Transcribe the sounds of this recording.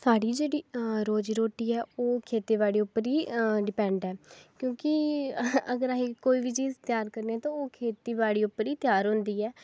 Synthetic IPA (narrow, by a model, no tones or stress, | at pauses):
saːɽiːd͡ʒeːɽiːɾoːd͡ʒiːɾoːʈiːɛːoːkʰeːt̪iːʋaːɽiːʊpːəɾiːɖɪpɛ̃ːɳɖɛːkjõːkɪ | əɡəɾaɦiːkoːiːʋiːt͡ʃiːzt̪ɪjaːɾkəɾneɛ̃ːt̪ãːoːkʰeːt̪iːʋaːɽiːʊpːəɾiːt̪jaːɾɦʊ̃nd̪iːɛː